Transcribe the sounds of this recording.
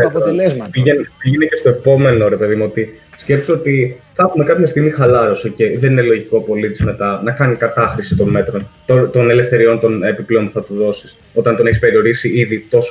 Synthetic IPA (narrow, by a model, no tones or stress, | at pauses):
ɐplezɐpiʝenpiʝenecest̪o̞epo̞me̞no̞ɾe̞pe̞ðimuot̪i | sce̞psoot̪iθɐxume̞kɐpçɐst̪iɣmixɐlɐɾosoce̞jðe̞nine̞lo̞ʝikopo̞lit̪izme̞t̪ɐnɐkɐnikɐt̪ɐxɾisit̪o̞me̞t̪ɾo̞nt̪ot̪o̞ne̞lefθe̞ɾio̞nt̪o̞nepiple̞onpu̥θɐt̪uðo̞sis | o̞t̪ɐnt̪oneçispe̞ɾio̞ɾisiiðit̪o̞so